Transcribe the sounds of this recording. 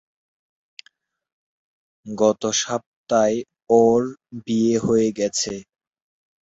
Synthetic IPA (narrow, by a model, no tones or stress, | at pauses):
ɡɔt̪oʃap̚t̪ae | ɔɾbieɦoeɡɛt͡ɕʰe